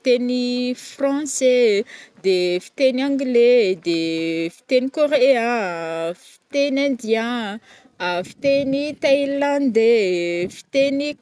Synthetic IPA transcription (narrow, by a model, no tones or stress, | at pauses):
fit̪enifrɑ̃sed̪efi̥t̪enãŋɡled̪efi̥t̪enikoɾeea | fi̥t̪enãnd̪jã | afi̥t̪enit̪ailãnd̪efi̥t̪eni